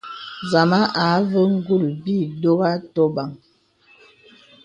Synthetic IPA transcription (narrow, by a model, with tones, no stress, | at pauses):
za˨ma˦ʔa˨˦və˦ŋ̩˦ɡu˦˨lbi˦˨do˦ɣa˦tɔ˦ba˨ŋ